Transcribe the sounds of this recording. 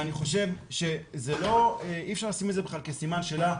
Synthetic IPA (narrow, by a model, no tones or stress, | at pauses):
aniχo̞ʃe̞vʃe̞zelo̞eifʃaʁlasimezebeχlalkesimanʃe̞la